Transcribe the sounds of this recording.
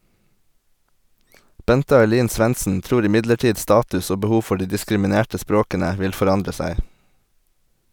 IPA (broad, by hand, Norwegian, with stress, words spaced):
ˈbɛntə ɑɪˈliːn ˈsʋɛnsn̩ ˈtɾuːɾ ɪˈmɪdləˌʈiːd ˈstɑːtʉs ˈoː bəˈhuː ˈfɔ ˈɖiː dɪskɾɪmɪˈneːʈə ˈspɾoːkənə ˈʋɪl fɔˈɾɑndɾə ˈsæɪ